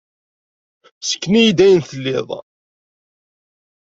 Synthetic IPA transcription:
sə̥kːnijid̪æjənθəlːɪðˤ

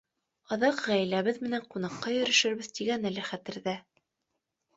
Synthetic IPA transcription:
ɑðɑqʁæjlæβɘðmɘ̆næɴqunɑqːɑjɵ̆ɾɵ̆ʃɘ̆ɾβbɘðt̪iɡænælɘχæt̪ɘ̆ɾðæ

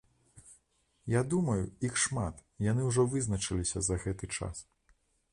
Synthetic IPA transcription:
jad̪umɐjuixʂmat̪janɨwʐɔvɨznɐt͡ʂɨlʲisʲɐzɐɣɛt̪ɨt͡ʂa̰s

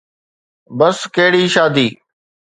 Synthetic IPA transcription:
bəskeɦːɽiːʃaːd̪iː

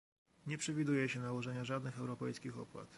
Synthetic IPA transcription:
ɲɛpʂɛvʲid̪ujɛɕɛnawɔʐɛɲaʐad̪nɘxɛwɾɔpɛjskʲixɔ̰pwa̰t̪

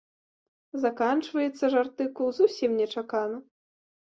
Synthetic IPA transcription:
zakant͡ʂvɐjɛt̪sːɐʐart̪ɨkulˠzusʲimnʲɛt͡ʂakanɐ

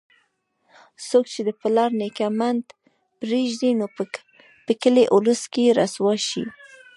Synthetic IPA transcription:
sok̚t͡ʃed̪əpɪlɑɾnekamand̪ | pɾeʒd̪ino | pəkəleʔʊləskeɾaswɑʃḭ

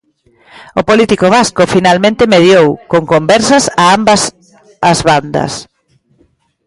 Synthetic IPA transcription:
ʊpolit̪ikoβ̞askofinalmẽnt̪ɪmeðjowkoŋkombɛɾsɐsaambɐs | azβand̪ɐ̰s

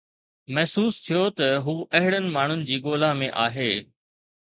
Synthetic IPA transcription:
mɐɦsuːst̪ʰijot̪ɐɦuːʔɐɦɪɽ̃ənɪ̆maːɳ̤ʊnɪ̆d͡ʑiːɠoːlamẽʔa̰ːɦeː

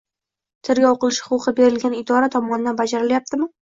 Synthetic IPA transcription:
t̪ʰɪɾɡʲaoqɨlˠɪʃhhʊ̥qʊqʰɨbe̞ɾɪlɡʲanɪd̪ɒɾat̪ʰɒmɒnɪd̪anbad͡ʒaɾɪljap̚t̪ʰɪmɪ

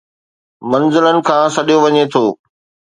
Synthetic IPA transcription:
mɐ̃nzɪlənɪ̆kʰãːsɐɗijoʋɐɲet̪ʰoː

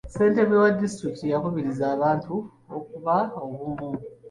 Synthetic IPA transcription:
se̞ːnte̞βwewadːistɾiktijakuβiɾizaːβaːntu | ok̚uβaoβuβu

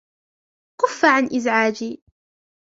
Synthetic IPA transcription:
qʊfːaʕanʔɪzʕaːd͡ʒiː

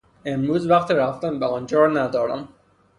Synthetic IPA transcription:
emɾuːzvæqt̪iɾæft̪æmbeɒːnd͡ʒɒːɾnæd̪ɒːɾæ̰m

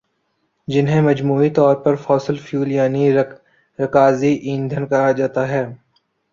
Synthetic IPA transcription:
d͡ʒɪnɦẽmɐd͡ʒmuːit̪ɔːɾpɐɾfɔːsəlfʰjuːljaːni | ɾɐkaːziʔĩːnd̪ʱənkɐɦad͡ʒaːt̪aɦɛː

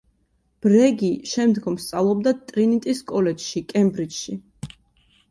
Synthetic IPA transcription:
b̥ɾɛɡiʃɛmd̪ɡɔmst̪sʼavlˠɔb̚d̪at̪ʼɾinit̪ʼiskʼɔlɛt͡ʃʃikʼɛmbɾit͡ʃʃi

